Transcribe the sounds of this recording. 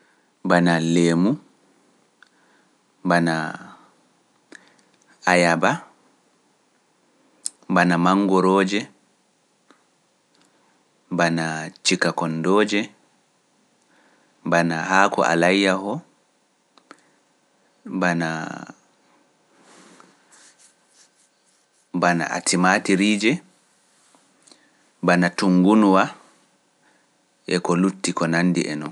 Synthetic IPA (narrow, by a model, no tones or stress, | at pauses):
banaleːmu | bana | ajaba | banamaŋɡɔɾɔːd͡ʒɛ | banat͡ʃikakɔndɔːd͡ʒɛ | banahaːkɔ̰ʔa̰lajːahɔ | bana̰ | bana̰ʔa̰tʰimaːtiɾiːd͡ʒɛ | banatuŋɡunuwa | ʔɛkɔlutːikɔnanːdiʔɛ̰nɔn